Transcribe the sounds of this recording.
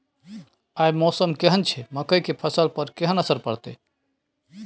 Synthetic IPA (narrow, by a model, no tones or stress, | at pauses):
ajmɔsəmkeɦənt͡ʃʰɛməkəjkepʰəsəlpəɾkeɦənəsəɾpəɽt̪ḛ